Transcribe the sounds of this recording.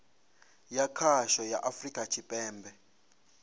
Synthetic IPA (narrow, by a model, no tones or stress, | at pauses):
jakʰaʃɔjaʔafrikʼat͡ʃʰipʼɛːmbʱɛ